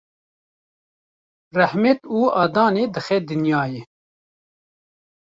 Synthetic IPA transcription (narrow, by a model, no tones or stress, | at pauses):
rɛhmɛt̪uːɑːd̪ɑːneːd̪ɨxɛd̪ɨnjɑːje